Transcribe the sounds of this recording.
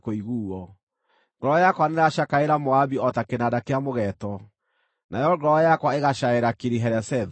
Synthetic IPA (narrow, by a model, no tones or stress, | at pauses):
koiɣuːɔ | ŋɡɔɾɔjakwaneɾaʃakaeɾamoabiɔtakenadakeamoɣɛtɔ | najɔɡɔɾɔjakwaeɣaʃaeɾakiɾiɦɛɾɛsɛð